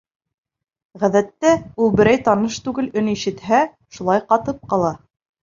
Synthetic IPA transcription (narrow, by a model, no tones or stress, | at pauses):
ʁæðæt̪ːæulˠbɘ̆ɾæjt̪ɑnɤʃt̪ʉɡɘlɵniʃɘ̆t̪hæ | ʃulˠɑjqɑt̪ɤp̚qɑlˠɑ